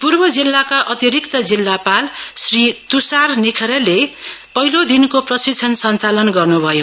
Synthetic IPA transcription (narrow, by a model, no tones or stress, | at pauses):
purbʌd͡zilːakaʔʌt̪iɾikt̪ʌd͡zilːapalsrit̪usarnikʰʌɾelepʌɦilod̪inkoprʌsit͡sʰʌnsʌnt͡salʌnɡʌrnubʱʌjo